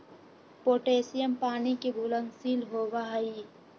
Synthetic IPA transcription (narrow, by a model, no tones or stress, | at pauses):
poːʈeːsijəmpaːnikebʱʊlənsiːlɦoːʋaɦi